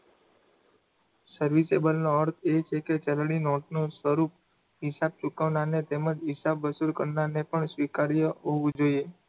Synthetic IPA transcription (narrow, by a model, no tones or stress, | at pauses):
səɾʋisebəlnõəɾt̪ʰet͡ʃʰeket͡ʃəlɽinoʈnũsʋəɾup | ɦɪsab̚t͡ʃukaʋnanet̪eməd͡ʒɦɪsabːəsuɾkəɾnanepəɳsʋikaɾjəɦoʋũd͡ʒoie